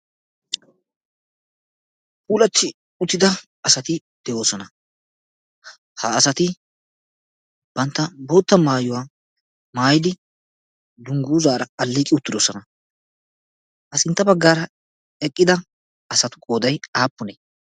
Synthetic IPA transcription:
pʼuːlɐt̪ʰːɪ | ʊt̪ːɪd̪ɐ | ɐsɐt̪ɪ | d̪̥ɛʔo̞ːsɔnɐ | hɐːsɐt̪ɪ | b̥ɐnt̪ːɐbo̞ːt̪ːɐmaːjʊwaː | maːjɪd̪ɪ | d̪ʊŋɡuːzaːɾɐɐlːiːkʼɪʊt̪ːɪd̪osɔnɐ | ʔɐsɪnt̪ːɐbɐɡːaːɾɐ | ɛkʼːɪd̪ɐ | ɐsɐt̪ʊ̥kʼo̞ːd̪ɐjaːpːʊne

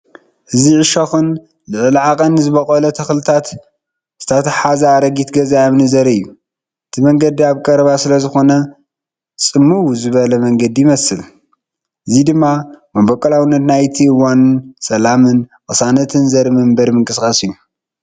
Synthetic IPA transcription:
ʔɨziʕɨʃɐxɨn | lɨʕɨlʕakʼɐnːɨzɨβɐkʼɐlɐt̪ʰɐxlɨt̪ʰat̪ | z̥ɨ̥t̪ʰɐt̪ʰɐħazɐaɾɐɡit̪ɡɐzajmnɨzɐɾɨjːu | ʔɨt̪ʰimɐŋɡɐd̪iaβkʼɐɾɐβasɨlɐzɨxo̞nɐ | t͡sʼɨmːuwzɨβɐlɐmɐŋɡɐd̪ijɪmɐsɨl | ʔɨzid̪ɨmːamɐbɐkʼɐlawɨnːɐt̪najt̪ʰiwonsɐlamɨnkʼɨsanɐt̪ʰɨnzɐɾimɨmbɐɾmɨŋkʼɨskʼasɨjːu

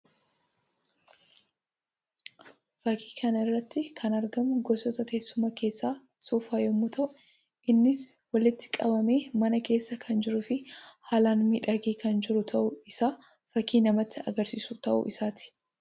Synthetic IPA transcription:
fɐkʰi̥ːkʰɐnɪrːɐt̪ːɪkʰɐnɐɾɡɐmʊɡɔsɔt̪ɐt̪e̞ːsːʊmɐke̞ːsːaː | suːfaːjɛmːʊt̪ʰɐʔʊ | ʔɪnːɪswɐlɪt̪ːɪ̥kʼɐbɐme̞ːmɐnɐke̞ːsːɐkʰɐnd͡ʒɪɾʊfɪhaːlaːnmiᶑɐɡiːkɐnd͡ʒɪɾʊt̪ʰɐʔʊɪsaː | fɐkiːnɐmɐt̪ːɪɐ̰ɡɐɾsisut̪ɐʔʊ̰ʔɪsaːt̪ɪ̥

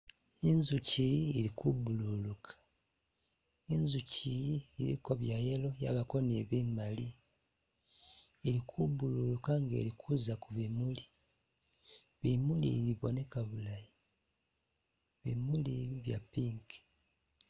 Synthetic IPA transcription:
inzuciːɾikuβululukʰḁ | inzuciiɾḭko̞βjajelo̞jaβako̞neβimali | eɾikʰuβululukaŋɡe̞̰ɾikʰuzakuβimuli | βimulḭβiβone̞kaβulaji | βḭmuliβiβja̰piːŋki̥

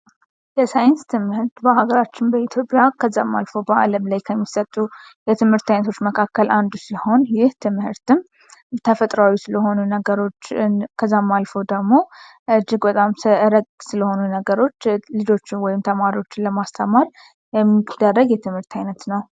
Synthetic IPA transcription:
jɛsajɪnst̪ʰɨmhɨɾt̪bəhaɡəɾat͡ʃːɪnbəit̪ʰjo̞pʼjakʰəzːamːa̰lfo̞bəa̰ləmlajkʰəmːisət̪ʼːujɛt̪ʰɨmhɨɾt̪ajnət̪ʰo̞t͡ʃːməkʰakːəland̪usɨləho̞njɪht̪ʰɨmhɨɾt̪ɨm | t̪ʰəfət̪ʼɾawisɨləho̞nunəɡəɾo̞t͡ʃːkʰəzːamːalfəwd̪əɡmo̞ | ʔɨd͡ʒːɪɡbət̪ʼamsɨɨɾəɡʼsɨləho̞nunəɡəɾo̞t͡ʃːlɨd͡ʒo̞t͡ʃːɪwɔjɪmt̪ʰəmaɾio̞t͡ʃːɪnləmast̪ʰəmaɾ | jɛmːid̪ərːəɡjɛt̪ʰɨmhɨɾt̪ʰajnət̪nəw

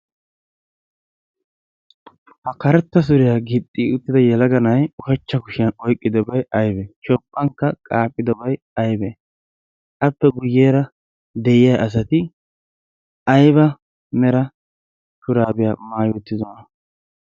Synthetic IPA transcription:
hɐkɐɾɛt̪ːɐs̬ʊɾɪjaɡɪtʼːiʊt̪ːɪd̪ɐjɛlɐɡɐnɐjɔfɛt͡ʃːɐkʊʃɪjɐnɔjkʼːɪd̪ɔbɐjɐjbɛt͡ʃɔpʼːɐŋkːɐkʼaːpʼːɪd̪ɔbɐj | ɐjbɛ | ɐpːɛɡʊjeːɾɐ | d̪ɛjɪjɐjʔɐs̬ɐt̪ɪ | ɐjbɐ | mɛɾɐ | kʊɾaːbɪjaːmaːjɔt̪ːɪzɔnɐ

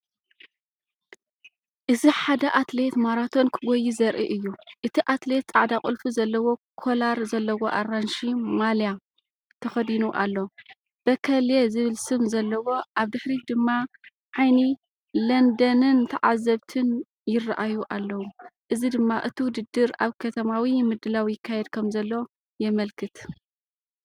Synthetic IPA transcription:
ʔɨziħad̪ɐʔat̪le̞t̪maɾat̪ʰo̞nkʰɨɡojizɐɾʔiʔɨjːuʔɨt̪ʰiʔat̪le̞t̪̚t͡sʼaʕd̪akʼɨlfuzɐlːɐwo̞kʰo̞laɾzɐlːɐwo̞ʔaɾanʃimalja | t̪ʰɐxɐd̪inuʔa̰lːo | b̥ɐkʰɐljezɨβɨlsɨmzɐlːɐwo̞ʔaβd̪ɨħɾid̪ɨmːa | ʕajni | lɐnd̪ɐnɨnt̪ʰɐʕazːɐβt̪ʰɨn | jɪrːaʔajuʔalːɐwuʔɨzid̪ɨmːaʔɨt̪ʰiwʊd̪ɨd̪ːɨɾa̰βkʰɐt̪ʰɐmawimɨd̪ɨlawjɪkʰːajɛd̪kʰɐmzɐlːɐwo | jɛmɐlkʰɨt̪

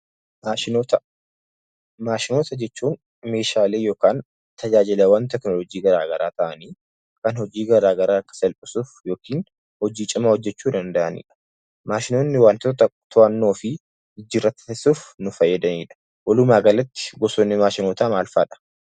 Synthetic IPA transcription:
maːʃɪnoːt̪ɐ | maːʃɪno̞ːt̪ɐd͡ʒɛt͡ʃːuːn | me̞ːʃaːle̞ːjo̞ːkaːn | t̪ɐd͡ʒaːd͡ʒɪlɐwɐnt̪ɛknɔlɔd͡ʒiːɡɐɾaːɡɐɾaːt̪ɐʔɐniː | kɐnhɔd͡ʒiːɡɐɾaːɡɐɾaːkːɐ̥sɛlpʼɪsuːfjo̞ːkiːn | hɔd͡ʒiːt͡ʃʼɪmahɔd͡ʒːɛt͡ʃːuːd̪ɐnd̪ɐʔɐnḭːᶑɐ̥ | maːʃɪnoːnːɪwaːnt̪ot̪ɐt̪ʊʔɐnːo̞ːfɪ | ɪd͡ʒːɪrːɐt̪ːɪ̥suːfnʊfɐjːɐd̪ɐniːᶑɐ̥ | wɐlʊmaːɡɐlɐt̪ːɪ̥ɡɔsɔnːɪmaːʃɪnoːt̪aːmaːlfa̰ːᶑɐ̥

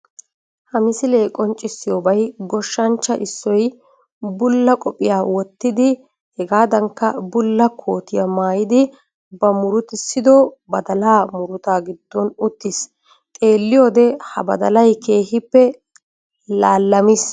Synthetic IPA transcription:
hɐmɪsɪleːkʼɔnt͡ʃʼːɪsːɪjoːbɐjɡɔʃːɐnt͡ʃːɐʔɪsːɔj | bʊlːɐkʼɔpʼːɪjaːwɔt̪ːɪd̪ɪ | hɛɡaːd̪ɐŋkːɐbʊlːɐkʰo̞ːt̪ɪjɐmaːjɪd̪ɪ | bɐmʊɾʊt̪ɪsːɪd̪ɔbɐd̪ɐlaːmʊɾʊt̪aːɡɪd̪̥ːɔnʊt̪ːɪs | t̪ʼe̞ːlːɪjoːd̪ɛhɐbɐd̪ɐlɐjkʰe̞ːhɪpːɛ | laːlːɐmɪs

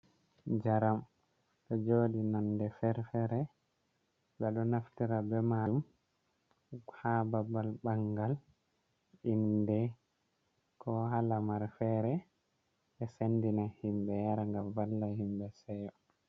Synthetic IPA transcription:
d͡ʒaɾam | ɗɔd͡ʒoːɗinandɛfɛɾfɛɾɛ | ɓɛɗɔnaftiɾabɛmaum | hababalbaŋɡal | indɛ | kʰɔhalamaɾfɛɾɛ | ɓɛsendinahimbɛjaɾaŋɡamvalːahimbɛsɛjɔ

